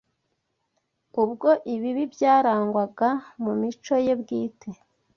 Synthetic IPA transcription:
ubɡo̞ʔiβiβibjaːɾaːŋɡwaɡamumit͡ʃo̞je̞bɡiːtʰe

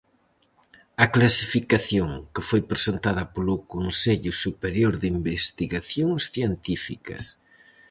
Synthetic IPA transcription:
ɐklasifikaθjoŋkɪfojpɾesent̪aðɐpolʊkonseʎʊsupeɾjoɾðimbest̪iɣaθjoŋsθjent̪ifikɐ̰s

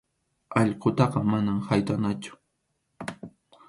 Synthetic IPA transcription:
ɑʎqot̪ɑqɑmanamhajt̪anat͡ʃʊ̥

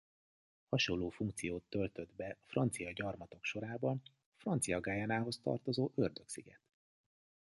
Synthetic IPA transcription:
hɒʃo̞nlːoːfuŋkt̪sijoːt̪ːø̞lt̪ø̞d̪bɛfrɒnt̪sijɒɟɒrmɒt̪o̞kʃo̞ɾaːbɒn | frɒnt̪sijɒɡaːjɛnaːɦo̞st̪ɒ̰rt̪o̞zoːʔørd̪øksiɡɛ̰t̪

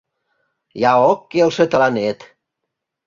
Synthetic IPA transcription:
jɑokːelʃĕt̪ə̆lɑnet̪

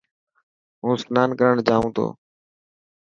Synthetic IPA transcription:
ɦũːsnaːnkəɾəɳd͡ʒaːʋũːt̪ʰo̰ː

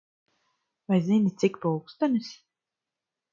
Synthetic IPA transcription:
vajzinʲit̪sikpuwkst̪anis

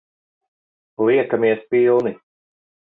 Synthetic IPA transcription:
lˠiɛkamiɛspilˠni

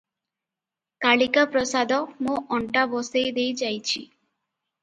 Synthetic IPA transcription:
kaɭikapɾɔsad̪ɔmõʔɔɳʈabɔsejd̪ejd͡ʒajt͡ʃʰḭ

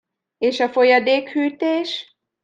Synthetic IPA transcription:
eːʃɒfo̞jɒd̪eːkhyːt̪eːʃ

